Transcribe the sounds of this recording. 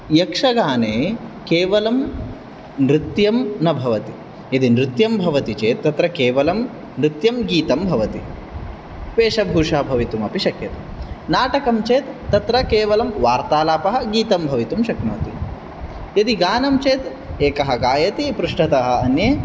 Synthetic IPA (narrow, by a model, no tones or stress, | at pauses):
jɐkʂɐɡaːneːkeːʋɐlɐm | nɾɪt̪jɐmnɐbʱɐʋɐt̪i | jɐd̪inɾɪt̪jɐmbʱɐʋɐt̪it͡ʃeːt̪ːɐt̪ɾɐkeːʋɐlɐm | nɾɪt̪jɐmɡiːt̪ɐmbʱɐʋɐt̪i | peːʃɐbʱuːʂɐɦɐbʱɐʋit̪umɐpiʃɐkjɐt̪ɐ | naːʈɐkɐmt͡ʃeːt̪ːɐt̪ɾɐkeːʋɐlɐmʋaːɾt̪aːlaːpɐɦɐ̆ɡiːt̪ɐmbʱɐʋit̪umʃɐknoːt̪i | jɐd̪iɡaːnɐmt͡ʃeːt̪ | eːkɐɦɐɡaːjɐt̪ipɾuʂʈɐt̪ɐɦɐ̆ɐnjeː